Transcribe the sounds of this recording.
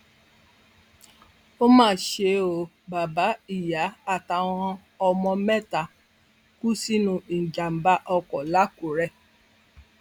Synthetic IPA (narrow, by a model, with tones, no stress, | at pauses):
o˦mãː˦˨ʃe˨˦o˨ | ba˨ba˨˦i˨ja˨˦a˨ta˨wɔ̃˧ | ɔ˧mɔ̃˧mɛ˦ta˨ | ku˦si˦nũ˧i˨d͡ʒa˨m̩˨ba˦ʔɔ˧kɔ˨la˦ku˨ɾɛ˦